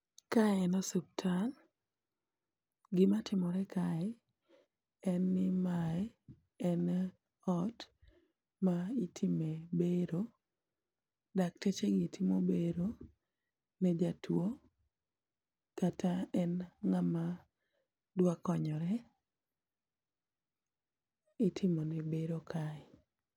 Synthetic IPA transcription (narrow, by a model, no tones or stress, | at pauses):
kajɛnɔsup̚tʰan | ɡɪmatʰɪmɔɾɛkʰaɛ | ɛnːɪmaɛ | ɛn | ɔt | maitʰimebeɾo | dak̚tet͡ʃeɡitʰimobeɾo | nɛd͡ʒatwo | katʰaɛnŋama | dwakɔɲɔɾɛ | ɪtʰɪmonibeɾokʰaɪ